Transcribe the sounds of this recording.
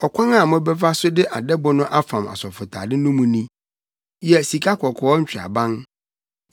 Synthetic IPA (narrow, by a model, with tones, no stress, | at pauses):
ɔ˨kʷʰã˦ŋa˨mʊ̃˦bɛ˦va˦sʊ˦dɪ˦ʔa˨dɛ˦bʊ˦nʊ̃˦ʔa˦fã˨ma̰˨sɔ˨fʊ˨tʰa̰ː˨dɪ˦nũ˦mũ˨nĩ˦ | jɛ˨si˨kʰa˦kʰɔ˨kʰɔ˨ɔ˦ɲ̩˦t͡ɕᶣa̰˨bã˦n